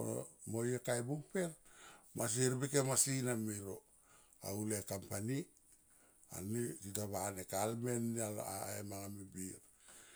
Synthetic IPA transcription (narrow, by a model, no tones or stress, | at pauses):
mojekajbuŋpe̞ɾmas̬iɾbikemasinamiɾo̞ | a̰ulekampani | a̰nititaβanekalmenːial̰emaŋamebiɾ